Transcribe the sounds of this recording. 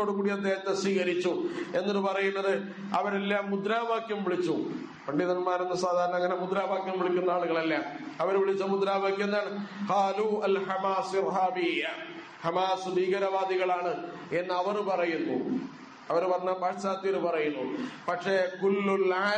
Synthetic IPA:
o̞ːɽukuːɽijɐd̪ːeːhɐt̪ːesʋiːɣɐɾit͡ɕːue̞nːɐðɨpɐrɐjunːɐðɨ | ɐʋɐɾelːaːmːud̪ɾaːʋaːkjɐmʋiɭit͡ɕːu | pɐɳɖiðɐnmaːɾunːɐsaːd̪ʱaːɾɐɳɐŋːɐnemud̪ɾaːʋaːkjɐmʋiɭikʲːunːɐaːɭuɣɐɭɐlːaːmɐʋɐɾʋiɭit͡ɕːɐmud̪ɾaːʋaːkjːunːðaːɳɨqɑːluːɐlhɐmaːsirɦaːbijːɐ | hɐmaːsud̪iːɣɐɾɐʋaːd̪iɣɐɭaːɳɨ | enːɐʋɐrpɐrɐjunːṵ | ɐʋɐɾpɐrɐɲːapaːʂt͡ɕaːt̪ːijɾpɐrɐjunːupɐʈʂekulːula

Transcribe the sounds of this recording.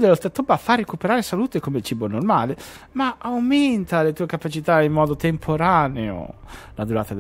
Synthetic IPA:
d̪elːost̪ɾat̪ːobafːarːekupeɾaːɾesaluːt̪ekomeilt͡ʃiːbonormaːle | maawment̪alet̪uːekapat͡ʃit̪aimːɔːd̪ot̪empʰoɾaneo̰lad̪uɾaːt̪ad̪

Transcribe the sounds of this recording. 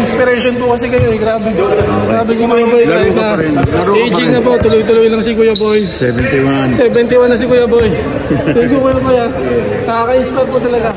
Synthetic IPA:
ɪnspɪɾɛʃonpʊkɐsɛɡɐjoɐjɡɾaːbɛd̪osaːbɪŋsikʊjɐbojajaʔejd͡ʒɪŋɐbot̪ʊlojt̪ʊlojlɐŋsɪkʊjɐbojsɛbɛnt̪iwasɛbɛnt̪ɪwanːɐs̬ɪkʊjɐboj | siɡukʊjɐboja | nɐkakɐispɐd̪̚pʊt̪ɐlɐɡa

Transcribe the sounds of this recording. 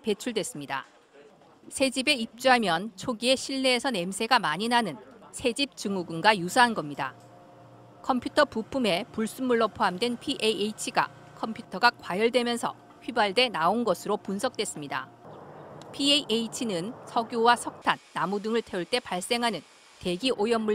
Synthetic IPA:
pe̞t͡ɕʰuɭdwe̞s͈ɯmɲida̰ | sʰe̞d͡ʑibe̞ip̚t͡ɕ͈uɦamjʌnt͡ɕʰoɡie̞ɕʰiɭːe̞ːsʰʌne̞msʰe̞ɡamaɲinanɯnsʰe̞d͡ʑip̚t͡ɕɯŋuɡɯnɡajusʰaɦanɡʌmɲida̰ | kʰʌmpʰjutʰʌpupʰume̞puɭs͈umːuɭːʌpʰoɦamdwe̞npʰiʔejeit͡ɕʰiɡa̰ | kʰʌmpʰjutʰʌɡakwajʌɭdwe̞mjʌnsʰʌ̰ | ɸɥibaɭde̞naonɡʌsʰɯɾopunsʰʌk̚t͈we̞s͈ɯmɲida̰ | pʰieiʔeit͡ɕʰinɯnsʰʌɡjowasʰʌk̚tʰanːamudɯŋɯɭtʰe̞uɭt͈e̞paɭs͈e̞ŋɦanɯn | te̞ɡiʔojʌmːu

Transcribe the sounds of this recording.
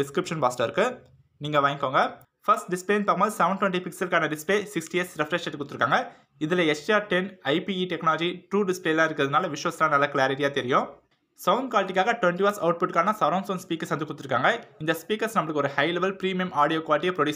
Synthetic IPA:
ɖɪskɾɪpʂɐnbaːsʈɐɾɪɾɯkːɯ | niːŋɡɐʋaːŋkːoːŋɡɐ | fɐsʈ̚ɖɪspleːnpaːkːmbɐðɯsɐʋɐɳɖʈʋɛɳʈipɪksɐlkaːnɐɖɪspleːsɪksʈiɛsɾɛfɾɛʂeʈːɯkːʊʈt̪ɪɾɯkːaːŋɡɐ | ɪðɪlɐɛt͡ʃʈiaːɾʈɛnɐɪpiiʈɛknaːlɔd͡ʒiʈɾuːɖɪspleːlãːɪɾɯkːɾɐðɪnaːlɐʋɪʂʋɐsɐlaːnɐlːɐkɪlaːɾɪʈ̬ɪjaːt̪ɛɾɪjʊ̃ | sɐʊnd̪̚kwaːlɪʈːɪkːaːɣɐʈʋɛɳʈiʋaːsɐʊʈ̚pʊʈkaːnɐsɐɾɐ̃ŋsoːnspiːkːɐɾsʋɐnd̪ɯkːʊt̪ːɪɾɯkːaːŋɡɐɪnd̪ɐspiːkɐɾsnɐmːɐɭɯkːɔɾɯhɐɪlɛʋɐlpɾiːmijɐmaːɽijoːkwaːlɪʈ̬ːijɐpɾɔɖjuː

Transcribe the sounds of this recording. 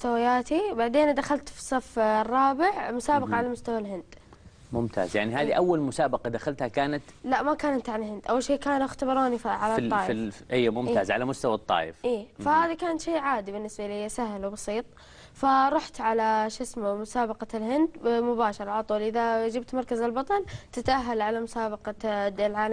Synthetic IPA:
ʊst̪awajaːt̪ibaʕd̪eːnd̪axalt̪fi̥sˤːɑfrˤːɑːbɪʕmʊsaːbɑqɑʕalamʊst̪awalɦɪnd̪ | mʊmt̪ʰa̰ːzjaʕniɦaːðiʔawːalmʊsaːbɑqɑd̪axalt̪hakaːnat̪laʔmakaːnʔant̪ʕalalɦɪnd̪ʔawːalʃeːkaːnwɪxt̪abɑɾˤɑːnifʕalaˤɑːʔʔijːmʊmt̪ːaːzʕalamʊst̪awɑt̪ˤːɑ̰ːʔɪ̰fʔiːfahaːðikaːnat̪ʃeːʕaːd̪ibɪnːɪsbaʔlɪsaɦlwbɑsˤiːt̪ˤ | faɾˤʊħt̪ʕalaʃasmmʊsaːbɑqɑlɦɪnd̪mʊbaːʃɑɾˤʕalat̪ˤuːlʔɪðad͡ʒɪbt̪mɑɾˤkazɪlbɑt̪ˤɑlt̪ɪt̪ʔaɦːalʕalamʊsaːbɑqɑlʕaːl

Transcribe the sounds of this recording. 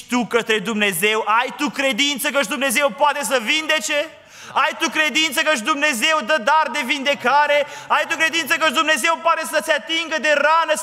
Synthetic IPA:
t̪ukət̪ɾe̞d̪umne̞ze̞wʔajt̪ukɾe̞d̪int̪səkəʃd̪umne̞ze̞wpoat̪e̞s̬əvind̪et͡ʃe | ajt̪ukɾe̞d̪int̪səkəʃ̬d̪umne̞ze̞wd̪əd̪ard̪e̞vind̪e̞kaɾe̞ | ajt̪ukɾe̞d̪int̪səkəʃ̬d̪umne̞ze̞wpoat̪esət̪seat̪iŋɡəd̪e̞ranə

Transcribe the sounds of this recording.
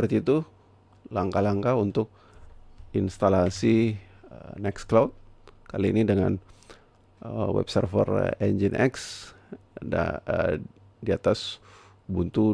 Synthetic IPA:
əərt̪iːt̪u | laŋkalaŋkaunt̪ʊk̚ | inst̪alasi | nɛksklawt̪̚kaliːnidəŋa̰n | əwɛ̰b̚sə̰rfə̰rɛnd͡ʒinʔɛ̰ks | da̰ | diat̪as | bunt̪u

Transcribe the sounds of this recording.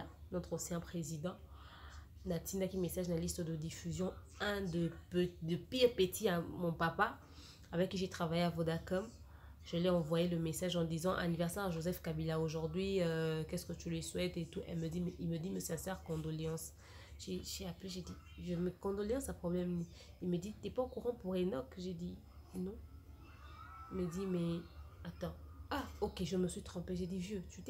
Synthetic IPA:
a | nɔt̪χɔ̃sjɛ̃pχezid̪ɑ̃ | nat̪ĩnd̪akimesaʒnalist̪əd̪əd̪ifyzjɔ̃ | ɛ̃d̪əpd̪əpiʁpet̪ʰiamɔ̃papa | avɛkːiʒet̪χavajeavod̪akɔm | ʒ̥əlɛɑ̃vwajeləmesaʒɑ̃d̪izɑ̃ʔa̰nivɛʁsɛʁaʒozɛfkabilaoʒuʁd̪ɥiøkɛskət̪ylɥiswɛt̪et̪uʔɛ̰lməd̪imɛʔilməd̪iməsɛ̃sɛʁkɔ̃d̪ɔleɑ̃s | ʒ̥eʒeapleʒed̪i | ʒəməkɔ̃d̪ɔleɑ̃sapχɔblɛmni | ilməd̪it̪yɛpaokuʁɑ̃puʁenɔkʒed̪i | nɔ̃ | ilməd̪imɛat̪ɑ̃aokeʒəməsɥit̪χɑ̃peʒed̪ivjøt̪y

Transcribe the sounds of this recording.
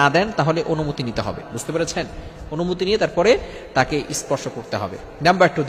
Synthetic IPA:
ad̪ɛnt̪aɦoleʔonumut̪init̪eɦɔ̰bḛbud͡ʑt̪epeɾet͡ɕʰen | onumut̪̬inijet̪aɾpɔɾe | t̪akeʔispɔɾʃokoɾt̪eɦɔ̰bḛ | nɛmbak̚ʈud̪

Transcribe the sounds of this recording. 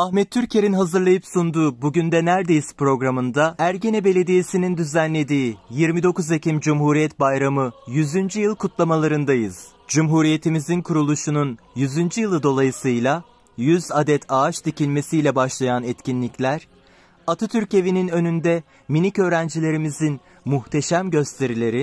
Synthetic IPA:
ahmɛt̪ʰːyɾcʰe̞ɾinɦazɯɾlˠajɯpsund̪uːbuɟynd̪ɛnæɾd̪e̞jispɾo̞ɡɾamɯnd̪aæɾɟe̞nɛbe̞lʲe̞d̪ijesinind̪yzænlʲe̞d̪iːjiɾmid̪o̞kuzecʰimd͡ʒumɦuɾijɛt̪̚bajɾamɯjyzynd͡ʒyjɯlˠkʰut̪lˠamalˠaɾɯnd̪ajɯz̥ | d͡ʒumɦuɾije̞t̪ʰimizinkʰuɾulˠuʃununjyzynd͡ʒyjɯlˠɯd̪o̞lˠajɯsɯjlˠa | jyzad̪ɛt̪ʰaat͡ʃt̪ʰicilʲme̞sijlʲɛbaʃlˠajanɛt̪cinlʲiclʲæɾ̥ | at̪ʰɯt̪ʰyɾce̞vininø̞nynd̪ɛ | minicø̞ːɾænd͡ʒilʲe̞ɾimizin | muxt̪ʰe̞ʃæmɟø̞st̪ʰe̞ɾilʲe̞ɾi

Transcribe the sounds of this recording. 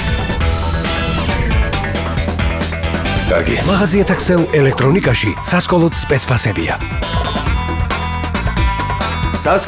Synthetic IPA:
kʼa̰ɾɡḭa̰maʁaziɛt̪ʰakʰsɛlɛlɛkʰt̪ʼɾɔnikʼaʃisaskʼɔlˠɔt̪ʰspʼɛt̪sʰpʰasɛbḭa̰ | sas

